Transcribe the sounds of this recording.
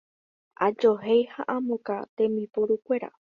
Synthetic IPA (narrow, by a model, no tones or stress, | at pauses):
ʔad͡ʒoɦejhaʔãmokat̪ẽ̞mipoɾukʷe̞ɾa̰